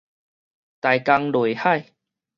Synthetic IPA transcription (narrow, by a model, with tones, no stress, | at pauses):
t̪a˨˩jka˧ŋlwe˨˩ha˥˧˨j